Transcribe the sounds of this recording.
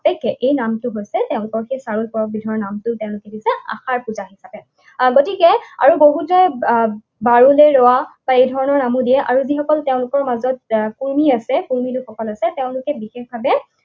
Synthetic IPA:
pɛkʰːɛʔejnamtʊɦojsɛteʊ̃lʊkɔɹxejsaɹulpɔɹɔk̚bidʱɔɔnamtʊteʊ̃lʊkɛdisɛa̰xaɹpuzaɦisapɛ | ɡotikɛa̰ɹuboɦutɔj | baɹuleɹɔwab̥aejdʱɔɹɔnɔɹnamudijɛʔaɹuzixɔkɔlteʊ̃lʊkɔɹmazɔt̚kuɹmiasɛkuɹmitʊxɔkɔlasɛteʊ̃lʊkɛbixexbʱabɛ

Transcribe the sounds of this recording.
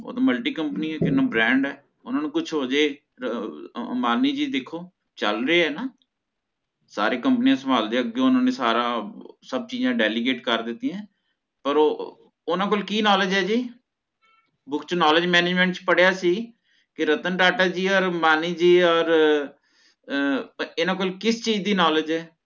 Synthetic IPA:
o̰ːt̪aːməlʈiːkəmpəniːɛːkɪnːãːbɾɛ̃ːɳɖɛː | ʊnãːnũːkʊt͡ʃʰɦoːd͡ʒeː | maːniːd͡ʒiːd̪ekʰːoː | t͡ʃə̰lɾeːɦɛːnaː | sa̰ːɾeːkəmpənijãːsəmaːld̪eːəɡːeːʊnãːneːsaːɾãːsəb̚t͡ʃiːd͡ʒãːɖɛːliːɡeːʈkəɾd̪ɪt̪ːijãː | pəɾoː | ʊnãːk̬oːlkiːnɔːlɪd͡ʒɦɛːd͡ʒiː | bʊkʰt͡ʃnɔːləd͡ʒmɛːneːd͡ʒmɛ̃ːɳʈt͡ʃpəɽjaːsiː | kɪɾət̪ənʈaːʈaːd͡ʒiːɔːɾmaːniːd͡ʒiːɔːɾ | ɪnãːk̬oːlkɪst͡ʃiːd͡ʒd̪iːnɔːləd͡ʒɛː

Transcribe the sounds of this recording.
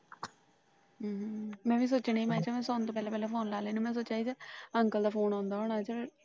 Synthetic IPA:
mɛ̃ːʋiːs̬oːt͡ʃneːiːmãːt͡ʃaːmɛ̃ːsoːnt̪õːpɛːlɛːpɛːlɛːpʰoːnlaːleːnũːmɛ̃ːs̬oːt͡ʃaːiːd͡ʒaəŋkəld̪aːpʰoːnãːnd̪aːɦoːnaːt͡ʃə

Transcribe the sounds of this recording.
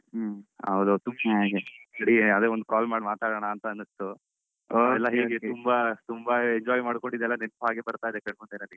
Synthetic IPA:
ɦɐ̰wd̪ut̪umbɐɡeɐɽiɐd̪eond̪ukaːlmaːɖmaːt̪aːɽɐɳaːnt̪ɐːnːɐst̪u | oɛlːɐɦeːɡet̪umbat̪umbɐeɲd͡ʒaːjmaːɖkoɳɖid̪ɛlːɐnenpɦaːɡebɐɾt̪aːjd̪ekɐɳmund̪enɐni

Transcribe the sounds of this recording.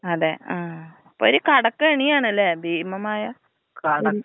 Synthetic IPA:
ɐðeaː | pːoːoɾukɐɽɐkːeːɳijaːɳɐlːebʱeːmɐmaːjɐ | kɐɽɐ

